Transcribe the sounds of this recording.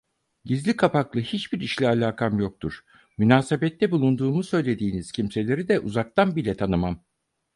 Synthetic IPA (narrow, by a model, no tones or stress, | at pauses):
ɟizlʲikʰapaklˠɯhit͡ʃbiɾiʃlʲialʲaːkʰamjo̞k̚t̪ʰuɾ̥ | mynaːse̞bɛt̪ʰːɛbulˠund̪uːmusø̞jlʲe̞d̪iːniz̥cʰimse̞lʲe̞ɾid̪ɛʔṵzak̚t̪ʰanbilʲɛt̪ʰanɯmam